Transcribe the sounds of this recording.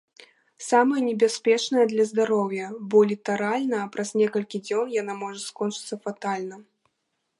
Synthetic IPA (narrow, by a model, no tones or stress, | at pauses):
samɐjɐnʲɛbʲasʲpʲɛt͡ʂnɐjɐd̪lʲɐzd̪aɾɔwjɐbɔlʲit̪aɾalʲnɐːpɾʔaz̥nʲɛkɐlʲkʲid͡zʲɔnjanamɔʐɐskɔnt͡ʂɨt̪sːɐfat̪alʲnɐ